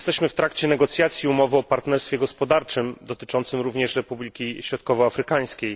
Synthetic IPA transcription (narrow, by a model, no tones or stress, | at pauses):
st̪ɛɕmɘft̪ɾakt͡ɕɛnɛɡɔt̪sʲjat̪sʲjiumɔvɘɔpaɾt̪nɛɾst̪fʲjɛɡɔspɔd̪aɾt͡ʂɘmd̪ɔt̪ɘ̥t͡ʂɔnt̪sɘmɾuvɲɛʂɾɛpublʲikʲiɕɾɔt̪kɔvɔafɾɘkaj̃skʲej